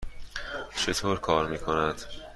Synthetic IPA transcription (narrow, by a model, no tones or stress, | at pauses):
t͡ʃʰe̞t̪ʰoːɾkʰɒːɾmiːkʰo̞næd̪̥